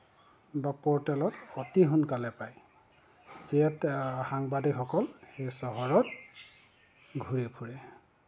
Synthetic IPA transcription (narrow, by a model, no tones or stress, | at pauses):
bapɔɹtɛlɔtɔtiɦunkalɛpaj | ziɛtxaŋbadikxɔkɔlxejsɔɦɔɹɔt | ɡʱuɹipʰuɹɛ